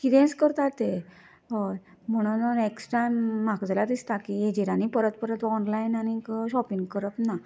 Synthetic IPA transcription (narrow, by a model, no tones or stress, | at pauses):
kit̪ẽnskəɾt̪at̪e | ə | m̤əɽ̃unəneksʈanmakd͡zlad̪ist̪akied͡ʑeɾanipəɾət̪̚pəɾət̪ɔnlainanikəɕɔpiŋɡkəɾəpna